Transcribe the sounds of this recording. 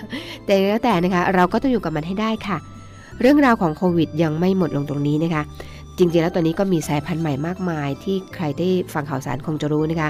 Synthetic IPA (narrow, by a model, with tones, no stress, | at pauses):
t̪ɛː˨˩lɛː˦˥wt̪ɛː˨˩na˦˥kʰa˦˥ɾa˧wkɔː˥˩t̪ɔ˥˩juː˨˩ka˨˩ma˧nɦa˥˩jdaː˥˩jkʰa˥˩ | ɾɯ˥˩əŋɾaː˧wkʰɔː˩˦ŋkʰoː˧wi˨˩t̪̚ja˧ŋma˥˩jmo˨˩t̪̚lo˧ŋt̪o˧ŋniː˦˥na˦˥kʰa˦˥ | t͡ɕi˧ŋt͡ɕi˧ŋlːɛ˦˥t̪ɔː˧nːiː˦˥kɔː˥˩miː˧saː˨˩˦jpʰa˧nma˨˩jmaː˥˩k̚maː˧jt̪ʰiː˥˩kʰɾa˧jdaː˥˩jfa˧ŋkʰa˨˩wsaː˩˦nkʰo˧ŋt͡ɕa˨˩ɾuː˦˥na˦˥kʰa˦˥